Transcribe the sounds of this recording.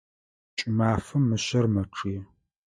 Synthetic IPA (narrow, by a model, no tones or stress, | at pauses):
t͡ʃʼɪmaːfɐmːɨɕɐrmɐʈ͡ʂʰɨjɛ